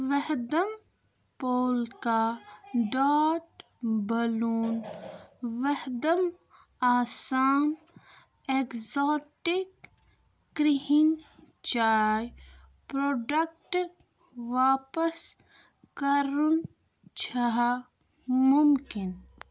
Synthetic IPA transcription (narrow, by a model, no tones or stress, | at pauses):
ʋəɦd̪əm | poːlkaɖaːʈ | bɐluːn | ʋəɦd̪əm | aːsaːm | ekzoːʈɪkː | ɾiɦɪn | t͡ʃaːj | pɾoːɖək̚ʈ | ʋaːpəs | kəɾun | t͡ʃʰaɦa | mʊmkɪn